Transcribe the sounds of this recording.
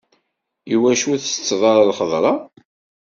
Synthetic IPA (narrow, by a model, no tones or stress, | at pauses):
juwæʃuθət͡sːðˤɑɾˤɑlχəðˤɾˤɑ